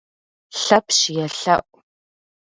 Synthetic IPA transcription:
ɬɐpʰɕjɛɬɐʔʷʼ

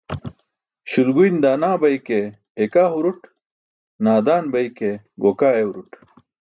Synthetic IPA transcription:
ɕulɡujnd̪aːnaːbɐjkeː | kaːɦuɾuʈ | naːd̪aːnbɐjke | ɡoːkaːewuɾuʈ

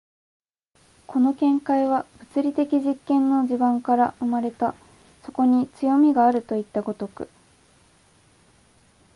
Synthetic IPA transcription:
kʰo̞no̞kẽ̞ŋkaiβab̥ɯ̟t͡sɨɾʲit̪e̞kʲiʑikːẽ̞nːo̞d͡ʑibãŋkaɾaɯ̟maɾe̞t̪a | so̞ko̞ɲ̟it͡sɨjo̞mʲiɡaːɾɯ̟t̪o̞it̪ːaɡo̞t̪o̞kɯ̟̰

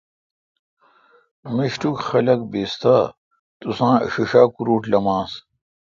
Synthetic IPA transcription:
miɕʈukxɐlɐk̚beːst̪aː | t̪usãːɐ̰ɕiʂaːkuɾuːʈlɐmãːs

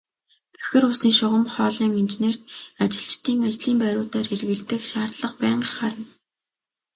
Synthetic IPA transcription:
ɡ̥e̥xxɘ̆rʊsniːʃʊʁə̆mχɔːɮiːŋint͡ɕeneːr̥t̪at͡ɕɪ̆ɬt͡ɕt̪ʰiːŋat͡ɕɮiːmpæɾʲʊːt̪aːrxerɣɘ̆ɮt̪ɘ̆kʃaːrt̪ɮə̆qpæːɴɢχaɾə̆n

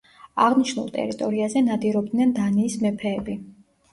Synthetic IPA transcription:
aʁniʃnṵlˠt̪ʼɛ̰ɾit̪ʼɔɾiazɛnad̪iɾɔb̚d̪nɛnd̪aniːsmɛpʰɛːbi

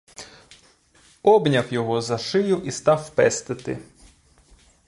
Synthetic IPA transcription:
ɔbnʲɐwjɔɦɔzɐʃɪjʊʔist̪ɑwpɛst̪ɪt̪ɪ̰

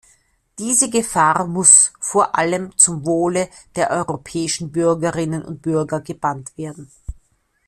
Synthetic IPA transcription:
d̥iːzəɡəfaːɐmʊsfoːɐʔaləmt͡sʊmvoːləd̥eːɐʔɔʏʁopʰɛːɪʃn̩bʏɐɡəʁɪnənʊ̰nt̚b̥ʏɐɡɐɡəb̥antv̥eːɐdn̩

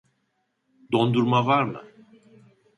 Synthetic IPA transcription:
d̪o̞nd̪uɾmavaɾmɯ̰

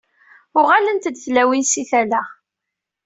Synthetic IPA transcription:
ʊʁalənt̪d̪θlæwinsiθælæ

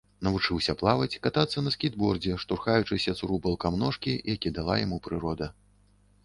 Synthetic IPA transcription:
nɐvut͡ʂɨwsʲɐplˠavɐt͡sʲkat̪at̪sːɐnɐsʲkʲid̪bɔrd͡zʲɛʂt̪urxajut͡ʂɨsʲɐt̪suɾubɐlˠkamnɔʂkʲijakʲid̪alˠa̰jamupɾɨɾɔd̪ɐ

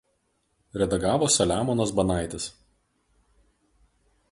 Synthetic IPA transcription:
ɾʲɛd̪ɐɡɑːʋoːsʲɐlʲæːmɔnɐs̬bɐnɑˑɪt̪ʲɪs

